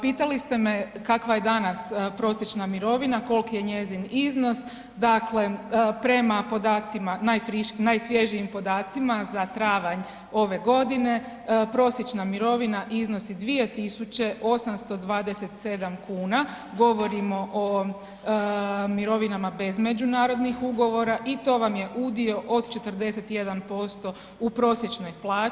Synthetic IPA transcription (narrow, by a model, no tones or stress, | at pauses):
piːt̪alist̪e̞me̞kakʋaje̞d̪anaspɾo̞sjet͡ʃnamiɾo̞ʋinako̞lˠkije̞ɲe̞zinizno̞s | d̪akle̞pɾe̞mapo̞d̪aːt̪simanajfɾiʃknajsʋje̞ʒijimpo̞d̪aːt̪simazat̪ɾaːʋaɲ | o̞ʋe̞ɡo̞d̪ine̞ | pɾo̞sjet͡ʃnamiɾo̞ʋinaʔizno̞sid̪ʋije̞t̪isut͡ɕe̞ʔo̞samst̪o̞d̪ʋaːd̪ese̞t̪se̞d̪amkuːna | ɡo̞ʋo̞ɾimo̞ʔo | miɾo̞ʋinamabe̞zme̞d͡ʒunaːɾo̞d̪nixuɡo̞ʋo̞ɾaʔit̪o̞ʋamje̞ʔud̪io̞ʔod̪t͡ʃe̞t̪əɾd̪e̞se̞t̪je̞d̪anpo̞st̪o̞ | upɾo̞sje̞t͡ʃno̞jplaː